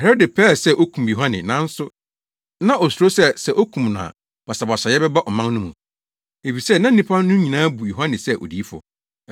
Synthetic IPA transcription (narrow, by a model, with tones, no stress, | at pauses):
hɛ˨ɾɔ˦dɪ˨pʰɛː˦˨sɛ˦ʔo˦kʰũ˨mjo˨ɦã˦nɪ̰̃˨nã˦n̩˦sʊ˦ | nã˦ʔo˨su˨ɾo˦sɛ˦sɛ˦ʔo˦kʰũ˨mnã̰˨ | b̥a˨sa˨bɔ˨sa˨jɛ˦bɛ˦ba˦ʔɔ˨mã˦ŋnʊ̃˦mṵ̃˨ | e˨fi˨sɛ˦˨nã˦n̩˦nĩ˦pʰa˦nʊ̃˦ɲĩ˨nãː˦bu˨jo˨ɦã˦nɪ̃˨sɛ˦ʔo̰˨di˨˦fʊ̰˨